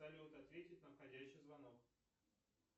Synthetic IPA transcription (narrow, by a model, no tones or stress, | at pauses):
alʲɪʊt̪ɐt̪vʲetʲɪt̚ʲnɐfxɐdʲæɕːɪjzvɐnok